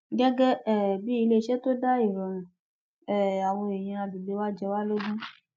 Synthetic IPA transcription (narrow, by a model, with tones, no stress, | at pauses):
ɡɛ˦ɡɛ˦ɛ˦˨bi˦i˧le˦˨ʃɛ˦to˦da˦i˦˨ɾɔ̃˨nũ˨ | ɛ˦˨a˨wɔ̃˧e˨j̃ĩ˧a˧bi˨ɡ͡be˨˧˦wa˦d͡ʒɛ˧wa˦lo˦ɡũ˦